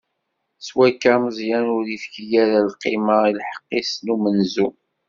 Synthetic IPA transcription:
swækːaməzˤjænʊɾifçəjæɾælqimailħə̥qːisnumənzu

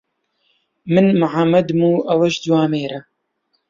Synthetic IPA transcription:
mɨnmʕamɐd̪muːʔɐwɐʃd̪waːmeːɾa

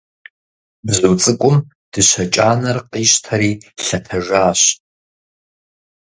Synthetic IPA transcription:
bzuwt͡sʼɨkʷʼʊm | d̥ɨɕʷɐt͡ʃʼaːnɐrqʼiːʃtʰɐɾiːɬɐtʰɐʒʷaːɕ

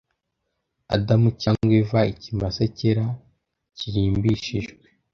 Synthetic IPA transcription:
a̰damucaŋɡwevaicimbasaceɾa | ciɾiːmbiʃiʒɡwe

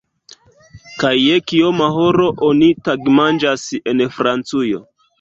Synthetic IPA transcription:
kajːekiomaɦoɾo̞ʔonitaɡmand͡ʒasenfɾant͡sujo̞̰

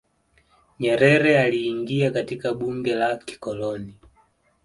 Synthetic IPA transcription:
ɲɛɾɛɾɛaliːŋɡiakatikaɓuŋɡɛlaki̥kɔlɔni

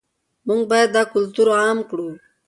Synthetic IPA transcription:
mʊŋɡ̚bajad̪̚ːɑkʊlt̪uɾamkɽu

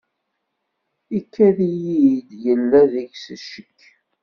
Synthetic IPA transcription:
ikʰːæðijid̪jəlːæðəʝsəʃəkː

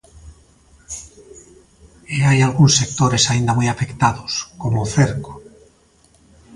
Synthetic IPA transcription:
eajalɣunsːek̚t̪oɾesaind̪amujafekt̪aðoskomoθeɾko̥

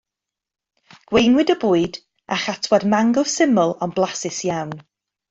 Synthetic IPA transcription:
ɡ̥wejnwɪdəbuːɨd | aχatʰwadmaŋɡɔsɪmʊlˠɔnblˠasɪsjawn

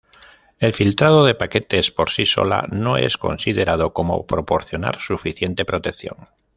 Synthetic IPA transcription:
e̞lfilt̪ɾað̞oð̞epake̞t̪espoɾsiso̰la̰noḛsko̞̰nsiðeɾað̞okomo̰pɾopoɾθjona̰ɾsufiθjent̪e̞pɾot̪eθjo̰ŋ

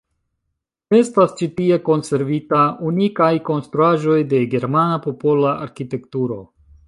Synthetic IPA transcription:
e̞stast͡ʃitie̞ko̞nse̞ɾvitaunikajko̞nstɾuaʒo̞jde̞ɡe̞ɾmanapo̞po̞laʔaɾkite̞ktuɾo̞̰

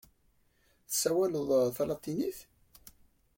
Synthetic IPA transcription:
θəsːæwæləðˤθɑlɑt̪ˤːiniθ

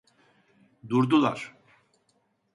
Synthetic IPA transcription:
d̪uɾd̪ulˠa̰ɾ̥

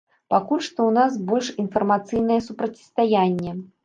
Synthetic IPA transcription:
pakulʲʂt̪ɔwnas̬bɔlʲʂinfɐrmat̪sɨjnɐjɛsupɾɐt͡sʲi̥st̪ajanʲːɛ

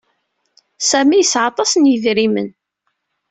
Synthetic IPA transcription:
sæmijəsʕɑt̪ˤɑsnjəðɾimə̰n

